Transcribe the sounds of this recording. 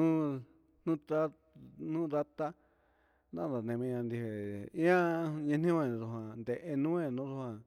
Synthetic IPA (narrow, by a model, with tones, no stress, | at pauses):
nũ˦ | n̥ũ˦ta˦ | n̥ũ˦ða˦t̪a˦ | nã̰˦˨d̪a˨nẽ˧mĩ˧ɲã˧nd̪i˧he˨ĩ˦ã˦ɲẽ˧n̥ĩ˦õ˧ẽ˨˧ðu˧ɦã˧nd̪e˧ʔe˧nũ˦ẽ˧nũ˦ðu˧hã˧